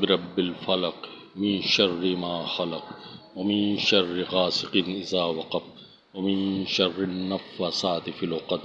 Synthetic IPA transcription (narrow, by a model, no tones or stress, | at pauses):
bɪɾɐbːɪlfɐlɐq | mɪnʃɐrːɪmaːxɐlɐqwɐmɪnʃɐrːɪɣaːsɪqɪnɪzaːwɐqɐf | wɐmɪnʃɐrːɪnːɐfːɐsaːt̪ɪfɪlʊqɐd̪